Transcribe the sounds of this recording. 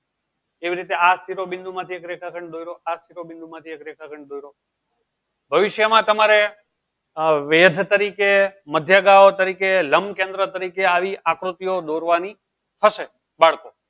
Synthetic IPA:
eʋiɾit̪east̪iɾobɪnd̪ʱumãt̪ʰiekɾekʰakʰəɳd̪ojɾoast̪iɾobɪ̃nd̪umãt̪ʰiekɾekʰakʰəɳɖd̪ojɾo | bʱəʋɪʃjəmãt̪əmaɾe | ʋed̪ʱt̪əɾikeməd̪ʱjaɡaot̪əɾikeləmkẽnd̪ɾət̪əɾikeaʋiʔakɾut̪ijod̪oɾʋani | t̪ʰəʃe | baɭko

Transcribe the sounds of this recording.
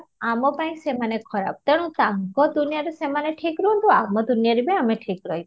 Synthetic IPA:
amɔpaĩsemanekʰɔɾa̰b̚t̪eɽ̃ũt̪aŋkɔd̪unijaɾusemaneʈʰikɾuɳʈ̪uamɔd̪unijaɾibiameʈʰikɾɔj

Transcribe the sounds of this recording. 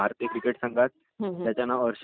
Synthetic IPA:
aɾt̪jəkɾikeʈsaŋɡat̪̚ | jat͡ɕjanːaəɾɕ

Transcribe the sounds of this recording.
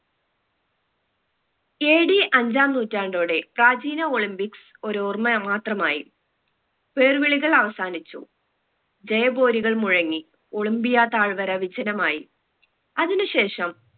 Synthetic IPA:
eːɽiʔɐɲd͡ʑaːmnuːtːaːɳɖo̞ːɽe̞praːd͡ʑiːnɐo̞ɭimbiks | o̞ɾurmɐmaːt̪rɐmaːjḭ | pe̞ːrʋiɭiɣɐɭɐʋɐsaːnit͡ɕːṵ | d͡ʑejɐbo̞ːɾiɣɐɭmuɻɐŋːi | o̞ɭimbijaːt̪aːɭʋɐɾɐʋid͡ʑɐnɐmaːji | ɐðinɨɕe̞ːʂɐm

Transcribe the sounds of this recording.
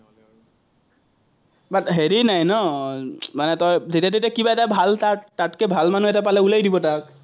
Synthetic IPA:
batɦeɹinajnɔ | manɛtɔjzetatetakibaɛtabʱaltatatkɛbʱalmanuɛtapalɛulajdibɔtak̚

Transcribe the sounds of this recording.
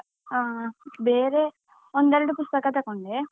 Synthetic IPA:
aːʋeːɾeː | ond̪ɐɾiɽupust̪ɐkaːt̪ɐkuɳɖi

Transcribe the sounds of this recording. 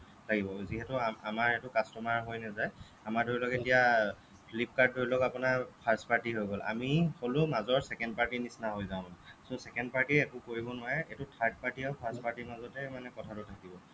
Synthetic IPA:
tʰakibɔziɦɛtʊamaɹetʊkastɔmaɹɦojnazaj | amaɹdoɹilɔketija | pʰlip̚kaɹd̚ʱːoɹilɔkapʊnaɹpʰaɹspaɹtiɦojɡɔlʔa̰miholʊmazɔɹsɛkɛndpaɹtinisnaɦojzaʊ̃nsɔ̃sɛkɛndpaɹtiɛkʊkoɹibɔnʊwaɹɛetʊtʰaɹd̚paɹtiɔpʰaɹspaɹtimazɔtɛmanɛkɔtʰatʊtʰakibɔ

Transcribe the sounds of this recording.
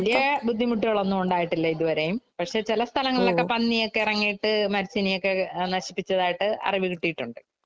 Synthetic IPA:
ɐlijɐbud̪ʱːimuʈːiɣɐɭo̞nːuuɳɖaːjiʈːilːɐiðuʋɐɾe̞jumpɐʈʂe̞t͡ɕilɐst̪ʰɐlɐŋːɐɭilo̞kːe̞pɐnːijo̞kːe̞irɐŋːijiʈːɨmɐɾit͡ɕːinijo̞kːe̞nɐɕi̥pːit͡ɕːɐðaːjiʈːɨɐ̰riʋikiʈːijiʈːuɳɖɨ

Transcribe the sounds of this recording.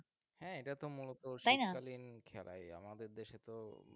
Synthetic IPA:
hɛ̃eʈat̪omulot̪oʃajnakalinkʰɛla̰ja̰mad̪eɾd̪eʃet̪o

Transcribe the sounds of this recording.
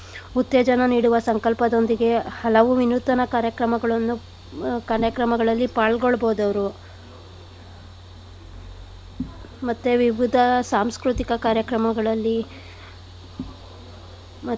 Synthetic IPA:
ut̪ːeːd͡ʒɐnɐniːɽuʋɐsɐŋkɐlpɐd̪o̞nd̪iɡe̞hɐlɐʋuʋinut̪ːɐnɐkaːɾjɐkɾɐmɐɡɐɭɐnːu | kaːɾjɐkɾɐmɐɡɐɭɐlːipaːɭɡoɭboːd̪ɐʋɐɾu | mɐt̪ːeʋiʋid̪ʱɐsaːmskɾut̪ikɐkaːɾjɐkɾɐmɐɡɐɭɐlːi | mɐ

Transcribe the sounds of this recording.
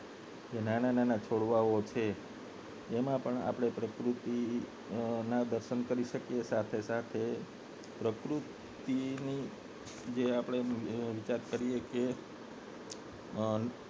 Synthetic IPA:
d͡ʒenanananat͡ʃʰoɽʋaot͡ʃʰeː | mãpəɳa̰pɽ̃epɾəkɾut̪i | nãd̪əɾʃənkəɾiʃəkiesat̪ʰesat̪ʰe | pɾəkɾut̪ | ini | d͡ʒeapɽ̃eʋit͡ʃaɾkəɾijeke

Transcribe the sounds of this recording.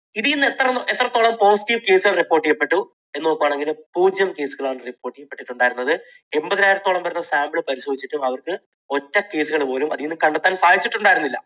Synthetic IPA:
iðijnːet̪ːrɐet̪ːrɐt̪ːoːɭɐmpo̞ːsi̥ʈːiʋke̞ːsɨɐripːo̞ːrʈːijepːe̞ʈːu | e̞nːnokːuʋaːɳe̞ŋɡilumpuːd͡ʑjɐmke̞ːsuɣɐɭaːɳɨripːo̞ːrʈːijepːeʈːiʈːuɳɖaːjiɾunːɐðɨ | e̞mbɐðɐnaːjiɾɐt̪ːoɭɐmbɐɾɐnːɐsaːmbɭɨpɐɾiɕoːd̪it͡ɕːiʈːumɐʋɐrkɨ | o̞tːɐke̞ːsuɣɐɭpo̞ːlumɐ̰ðijinːɨkɐɳɖeɐt̪ːaːnsaːd̪it͡ɕːiʈːuɳɖaːjɾunːilːɐ̰

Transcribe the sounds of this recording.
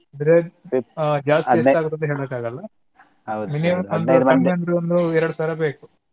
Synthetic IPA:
aːd̪ɐɾe | d͡ʒaːst̪iesaːɡut̪ːɐnt̪eɦeːɭeːkːaːɡɐlːɐ | wminimɐond̪ɐnːeɐnd̪ɐɾeond̪uɛɾɐɽusaːɾɐbeːku

